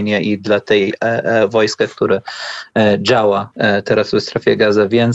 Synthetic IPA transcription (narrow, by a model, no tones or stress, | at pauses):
nʲaʔid̪lat̪ɛjvɔjskɛkt̪uɾɘ | d͡ʑawat̪ɛɾasvɛst̪ɾafʲjɛɡazavʲjɛn